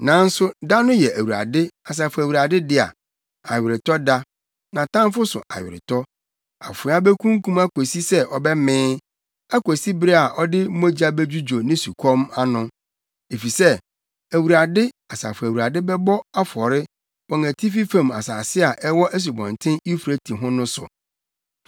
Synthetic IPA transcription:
nã˨˦n̩˦sʊ˦da˦nʊ̃˦jɛ˨ʔæ˨wu˨ɾa̰˨dɪ˦a˨s̬a˨fʊ˨æ˨wu˨ɾa˨dɪ˦dɪ˦a̰˨ | a˨ɥɪ˨ɾɪ˨tɔ˦da˦ | nã˨tʰã˦m˦fʊ˦sʊ̰˨ʔa̰˨ɥɪ̰˨ɾɪ̰˨tʰɔ˦ | a̰˨fʊ̃˨˦a˦bɛ˦kʰũ˦ŋ˦kũ˦ma˦kʰo˨si˦sɛ˦ʔɔ˨bɛ˦mɪ̃ː˦ | a˦ko˨si˦bɪ˦ɾe˦a˨ʔɔ˦dɪ˦mo˦d͡ʑa˦bɛ˦d͡ʑᶣu˦d͡ʑo˨nɪ̃˦su˨kʰɔ̃˦ma˦nʊ̃˦ | e˨fi˨sɛ˦ | æ˨wu˨ɾa˨dɪ˦ | a˨sa̰˨fʊ˨æ˨wu˨ɾa˨dɪ˦bɛ˦bɔ˦a˦fɔ˨ɾɪ˦ | wɔ̃˨ŋæ˨tʰi˦fi˦fã˦˨ma˨saː˨sɪ˦a˨ʔɛ˦wɔ˦ʔæ˦s̬u˨bɔ̰̃˨n˨tʰɪ̃˦i˦fɾe˦tʰĩ˨ɦʊ̃˦nʊ̃˦sʊ̰˨

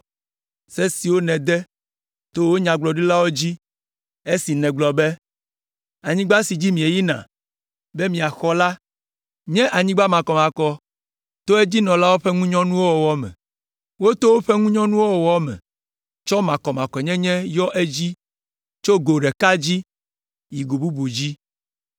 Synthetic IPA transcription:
se˦si˨wo˦nɛ̃˨d̪ɛ˦ | t̪o˦wo˦ɲã˨ɡ͡blɔ˨ɖi˦la˦wo˦d͡ʑi˦ | e˦si˨nɛ̃˨ɡ͡blɔ˨bɛ˦ | a˨ɲĩ˦ɡ͡ba˦si˨d͡ʑi˦mĩ˨e˨ji˦nã̰˨ | be˦mĩ˨a˨xɔ˦la˦ | ɲɛ̃˦ʔa˨ɲĩ˦ɡ͡ba˦mã˨kɔ˨mã˨kɔ˦ | t̪o˦e˦d͡ʑi˦nɔ̃˨la˦wo˦ɸɛ˦ŋũ˦ɲɔ̃˦nũ˦wo˦wɔ˨wɔ˦mɛ̰̃˨ | wo˦t̪o˦wo˦ɸɛ˦ŋũ˦ɲɔ̃˦nũ˦wo˦wɔ˨wɔ˦mɛ̰̃˨ | t͡ʃɔ˦mã˨kɔ˨mã˨kɔ˨ɲɛ̃˦ɲɛ̃˦jɔ˦ʔe˦d͡ʑi˦ | t͡ʃo˦ɡo˨ɖɛ˨ka˦d͡ʑi˦ | ji˨ɡo˨bu˦bu˨d͡ʑi˦

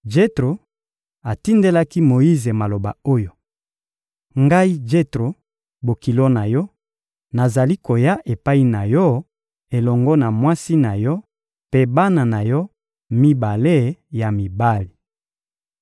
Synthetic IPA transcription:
d͡ʒe˦tʁo˨ | a˨ti˦nde˦la˦ki˦mo˨i˦ze˨ma˨lo˨ba̰˨o˦jo˨ | ŋɡa˦i˦d͡ʒe˦tʁo˨ | bo˨ki˨lo˦na˨jɔ˦ | na˨za˨li˦ko˨ja˦ʔe˨pa˦i˦na˨jɔ˦ | e˨lɔ˨ŋɡɔ˦na˨mwa˦si˦na˨jɔ˦ | pe˦ba˦na˨na˨jɔ˦ | mi˦ba˨le˦ja˨mi˨ba˦li˨

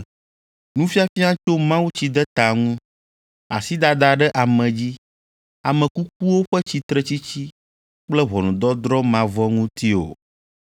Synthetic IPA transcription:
nũ˦fi˦a˦fi˦ã˦t͡ʃo˦mã˦wu˦t͡ɕi˦d̪ɛ˦t̪a˨ŋũ˦ | a̰˨si˦d̪a˨d̪a˨ɖɛ˦ʔa˨mɛ̃˨d͡ʑi˦ | a˨mɛ̃˨ku˦k̚u˦wo˦ɸɛ˦t͡ɕi˦t̪ɾɛ˦t͡ɕi˦t͡ɕi˦ | k͡plɛ˦βɔ˨nũ˨d̪ɔ˦d̪ɾɔ˦mã˨vɔ˦ŋũ˦t̪i˦o̰˨

